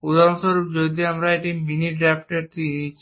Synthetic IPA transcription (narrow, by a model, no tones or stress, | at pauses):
ud̪aɾɔnsɔɾupd͡ʒod̪iamɾaeʈiminiɖɾapʰʈeɾt̪iit͡ʃʰ